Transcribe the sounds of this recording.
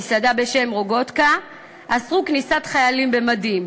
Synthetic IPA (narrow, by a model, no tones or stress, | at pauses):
sad̪abeʃe̞mʁo̞ɡo̞t̪ka | ʔasʁuknisat̪χajalimbe̞mad̪im